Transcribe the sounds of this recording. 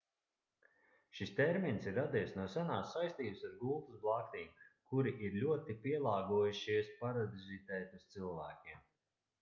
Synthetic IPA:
ʃist̪ɛɾminsiɾːad̪iɛsnuɔsanaːsːajsʲt̪iːbsaɾɡuːt̪usblˠakt̪iːmkuɾiʔiɾlʲuɔt̪ipiɛlˠɑːɡuɔjuʃiɛspaɾad̪izit̪ɛːt̪ust̪silˠvæːkʲim

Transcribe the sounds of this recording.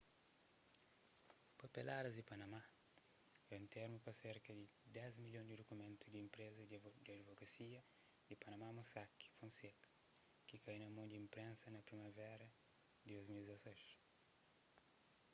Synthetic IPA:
pɐpelaɾɐzd̪ɪpɐnɐma | ɛũnt̪eɾmupɐseɾkɐd̪ɪ | d̪ɛzmiʎjõd̪id̪okumẽnt̪ud̪iimpɾezɐd̪ɐd̪ivokɐsiɐ | d̪ipɐnɐmamosaki̥fõnsekɐ̥ | kikajnɐmõnd̪ĩmpɾẽnsɐnɐpɾimɐvɛɾɐ | d̪ɪd̪ojzmildzɐsejʃ

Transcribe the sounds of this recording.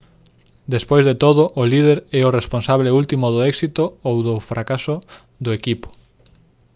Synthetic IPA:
d̪espojzðet̪oðʊʔʊlið̞eɾɛʊresponsaβleult̪imoðoɛksit̪oowðʊfɾʔakasʊ | ðʊekipʊ̥

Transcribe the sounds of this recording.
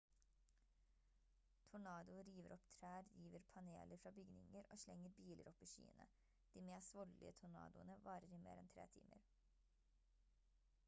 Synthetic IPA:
t̪ʰʊɳɑːd̪ʊɾiːʋəɾʔɔpt̪ʰɾæːɾjiːʋəɾpʰɑnḛːləɾfɾɑːbʏɡnɪŋəɾʔoːʃlɛŋːəɾbiːlʔəɾʔɔpiːʃy̰ːənə̰ | d̪̥iːmeːsʋɔllɪ̰ət̪ʰʊɳɑ̰ːd̪ʊənəʋɑːɾəɾiːmḛːɾɛnt̪ʰɾḛːt̪ʰḭːmʔə̰ɾ

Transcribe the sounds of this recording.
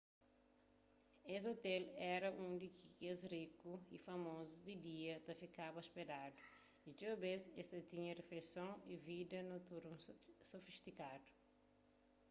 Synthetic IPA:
ez̬ot̪ɛlɛɾɐʔũd̪ikikezrikuifɐmozud̪id̪iɐt̪ɐfikabɐspedad̪u | it̪obezest̪ɐt̪ĩɲɐrefejsõivid̪ɐnot̪uɾmsofiʃt̪ikad̪u̥

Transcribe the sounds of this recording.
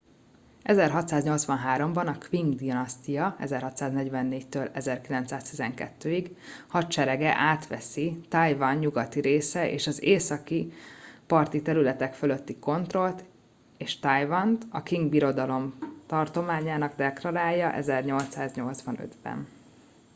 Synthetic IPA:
ɛzɛrɦɒt̪saːzɲo̞lt̪sʋɒnɦaːɾo̞mbɒnɒkʋiŋɡd̪inɒst̪ijɒɛ̰zɛrɦɒt̪saːznɛɟvɛnːeːct̪øːlɛzɛrkilɛnt̪saːst̪izɛŋkɛ̰t̪ːøːiɡhɒt̪t͡ʃɛɾɛɡɛʔaːt̪ʋɛsit̪ɒjvɒnɲuɡɒt̪iɾeːsɛʔḛːʃɒzeːsɒkipɒrt̪it̪ɛɾylɛt̪ɛkfølø̞t̪ːiko̞nt̪ro̞lt̪ | eːʃt̪ɒjvɒnt̪ɒkiŋɡbiɾo̞d̪ɒlo̞mt̪ɒrt̪o̞maːɲaːnɒɡd̪ɛklɒɾaːjɒʔɛ̰zɛrɲo̞lt̪saːzɲo̞lt̪sʋɒnø̰d̪bɛ̰n

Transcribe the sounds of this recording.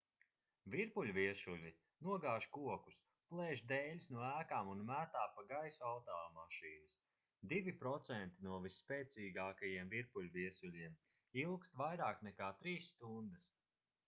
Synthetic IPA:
vʲiɾpulʲviɛsulʲi | nuɔɡaːʒkuɔkus | plˠɛːʒd̪ɛːlʲusnuɔæːkaːmunmæːt̪aːpaɡajsuawt̪ɔːmaʃiːnɐs | d̪ivipɾɔt̪sɛnt̪inuɔvisːpɛːt̪siːɡaːkajiɛmviɾpulʲviɛsulʲiɛm | ilˠkst̪vajɾaːknɛkaːt̪ɾiːsːt̪und̪ɐs

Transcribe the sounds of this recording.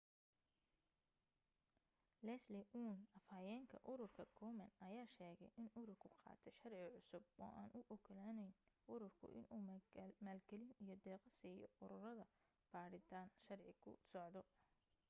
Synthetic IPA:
lɛslɛʔuːnɐfaːjɛːŋkʰɐ̰ʔʊɾʊrkʰɐkʰɔːmɐnɐjaːʃɛːɣɛjʔɪnʊɾʊrkʰʊqɑ̰ːt̪ʰɛʃɐrʕɪʕʊsʊb̚ɔ̰ːʔaːnʔʊʔʊkʰɐlaːnɛjnʔʊɾʊrkʰʊ̰ʔɪ̰nuːmaːlɡɐlɪnijɞd̪ɛːqɐsiːjɔ̰ʊɾʊrɐðɐ | b̥aːɽɪt̪ʰaːnʃɐrʕɪkʰʊ̰sɔʕd̪ɔ

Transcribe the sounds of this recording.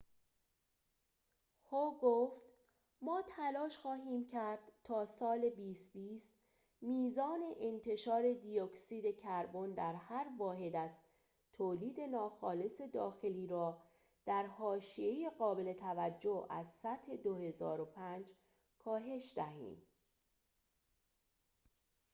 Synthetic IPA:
hoɡoːft̪ | mɒːt̪ʰælɒːʃxɒːɦiːmcʰæɾd̪̥t̪ʰɒːsɒːle̞biːst̪biːst̪ | miːzɒːne̞ʔent̪ʰe̞ʃɒːɾe̞d̪ijoksiːd̪e̞cʰæɾbond̪æɾhæɾvɒːɦe̞d̪æz | t̪ʰoːliːd̪e̞nɒːxɒːle̞se̞d̪ɒːxe̞liːɾɒː | d̪̥æɾhɒːʃije̞jeɢɒːbe̞le̞t̪ʰævæd͡ʒːoæ̰zsæt̪he̞d̪ohe̞zɒːɾopʰænd͡ʒ | kʰɒːɦe̞ʃd̪æɦḭːm

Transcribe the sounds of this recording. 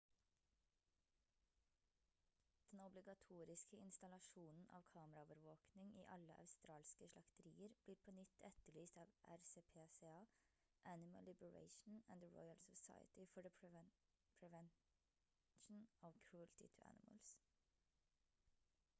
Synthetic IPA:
d̪̥ɛnɔblɪɡɑt̪ʰuːɾɪskəɪnst̪ɑlɑʃuːnn̩ʔɑ̰ːʋkʰɑːməɾɑoːʋəɾʋoːknɪŋʔḭːʔɑləʔɑ̰ʉst̪ɾɑːlskəʃlɑkt̪əɾiːəɾb̥liːɾpʰoːnʏt̪ʰːɛt̪əɭyːst̪ɑːʋʔæ̰ɾseːpʰeːseːɑː | ʔænɪmə̰lːɪbəɹḛɪʃn̩æ̰̃nd̪əɹɔ̰ɪəlsɔsa̰ɪə̰t̪ɪfɔdəpʰɛ | pʰɹɛʋɛn | ʃn̩ɔʋkʰɹult̪ɪ̰t̪ʰʉæ̰nɪmə̰ls

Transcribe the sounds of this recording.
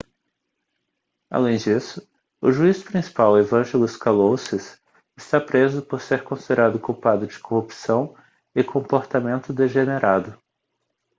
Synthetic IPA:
a̰lẽj̃d͡ʒisʊ | ʊʒuisʊ̥pɾĩsi̥pawevɐ̃ʒɛlʊskalosɪs | ɪst̪apɾezʊpoɾseɾkõsid̪eɾad̪ʊkuwpad̪ʊd͡ʒɪ̥kohupsɐ̃w̃ | ɪkʰõmpoɾt̪amẽnt̪ʊd̪eʒeneɾʔad̪ʊ

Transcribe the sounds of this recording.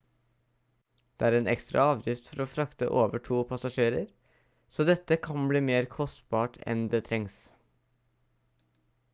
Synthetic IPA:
d̪̥eːæːɾeːnɛ̰kst̪ɾɑ̰ɑːʋjɪft̪fɔɾoːfɾɑkt̪ə̰ʔoːʋəʈʰuːpʰɑsɑʂeːɾəɾ | soːd̪ɛt̪ːəkʰɑnbliːmeːɾkʰɔst̪bɑːʈʰɛ̰nd̪eːt̪ʰɾɛŋs

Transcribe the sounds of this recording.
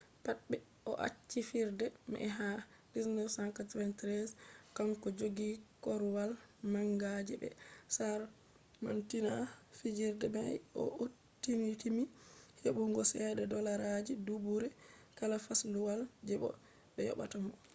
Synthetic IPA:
patɓɛ | ʔɔʔa̰t͡ʃːifiɾdɛm̰ʔɛɦa | diznisaŋkatwɛntɾɛskaŋkɔd͡ʒoɡikɔɾwalmaŋɡad͡ʒɛbɛ̰saɾ | mantinafid͡ʒiɾdɛmajɔ̰otːinitimiheɓuŋɡɔsɛdɛdɔlaɾad͡ʒidubuɾɛkalafasluwald͡ʒɛɓɔ̰ | ɓɛjɔ̰ɓa̰tamɔ

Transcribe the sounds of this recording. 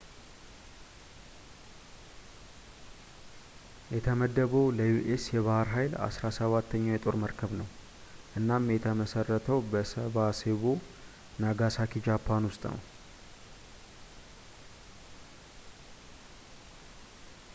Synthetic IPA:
jɛt̪ʰəməd̪ːəβəwləjuʔesjɛβahɾɦajla̰sɾasəβat̪ːəɲːajɛt̪ʼo̞ɾməɾkʰəβnəw | ʔɨnːamjɛt̪ʰəməsərːət̪ʰəwbəsəβaseβo̞ | naɡasakid͡ʒapʰːanwʊst̪ʼnə̰w

